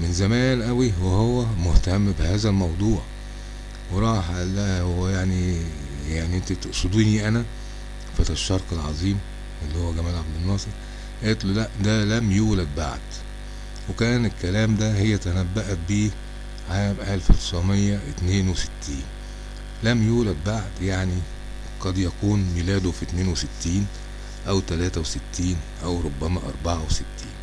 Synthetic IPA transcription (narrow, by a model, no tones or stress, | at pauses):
menzæmæːnʔæwiwehowːæmoht̪æmːbehæːzælmɑwd̪ˤuːʕ | weɾˤɑːħlːæhowːæjaʕni | jaʕniʔent̪æt̪oʔsˤod̪iːniʔænæ | fæt̪æʃːɑɾˤkelʕɑ̰zˤiːm | ʔelːihowːæɡæmæːlʕab̚d̪enːɑːsˤɨɾ | ʔet̪ˤlulæʔd̪ælæmjuːlæd̪̚ba̰ʕd̪̥ | wekæːnelkːælæːmd̪æhejːæt̪ænæbːæʔæt̪̚biː | ʕalæmʔælfɑɾt̪sʕmejːæʔɪt̪neːnwesɪ̥t̪ːiːn | læmjuːlæd̪̚baʕd̪jaʕni | qɑd̪jækuːnmilæːd̪ofit̪neːnwesɪt̪ːiːn | ʔæwt̪ælæːt̪æwesɪt̪ːiːnʔæwɾˤobːæmæʔɑ̰ɾˤbaʕawesɪt̪ːḭːn